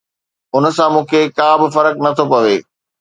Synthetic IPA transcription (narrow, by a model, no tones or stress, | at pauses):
ʊnə̆sãmũːkʰekãːbɪfɐɾəknɐt̪ʰopɐʋeː